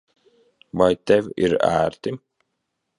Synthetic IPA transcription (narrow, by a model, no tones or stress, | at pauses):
vajt̪ɛvʲḭɾæ̰ːɾt̪i